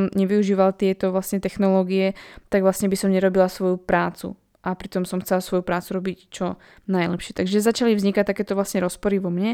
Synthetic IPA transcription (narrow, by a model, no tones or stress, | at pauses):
mɲɛʋiuʒiːʋalt̪ɪɛt̪ɔʋlasɲɛt̪ɛxnɔlɔːɡiɛt̪aɡʋlasɲɛbisɔmɲɛɾɔbilasʋɔjupɾaːt͡sṵ | ʔapɾit̪ɔmsɔmxt͡sɛlasʋɔjupɾaːt͡suɾɔbict͡ʃɔ | najlɛpʃɪɛt̪aɡʒɛzat͡ʃalivzɲikac̚t̪akɛːt̪ɔʋlasɲɛɾɔspɔɾiʋɔmɲɛ